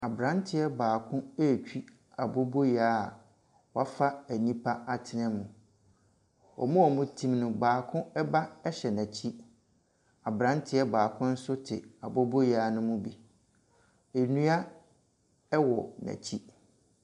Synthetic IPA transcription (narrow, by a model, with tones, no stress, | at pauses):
a˨bɾã˨˦ntʰɪ˦ɛ˦baː˨kʰʊ̃˦e˦˨t͡ɕᶣi˦ | a˨bo˦bo˦jaː˦˨ | wɔ˦a˦fa˦æ˨nĩ˦pʰa˦a˨tʰɪ˨nɛ̃˦mʊ̃˨ | ɔ̰˨mʊ̃˦ɔ˨mʊ̃˦tʰĩ˦mnʊ̃˨baː˨kʰʊ̃˦ɛ˦ba˦ɛ˦ɕɛ˨næ̃˨t͡ɕʰi˦ | a˨bɾã˨˦n˦tʰɪ˦ɛ˦baː˨kʰʊ̃˦n̩˦sʊ˦tʰɪ˨a˨bo˦bo˦jaː˨˦nʊ̃˦mʊ̃˦bi˨ | e˨nũ˦a˦ | ɛ˦wɔ˨næ̰̃˨t͡ɕʰi˦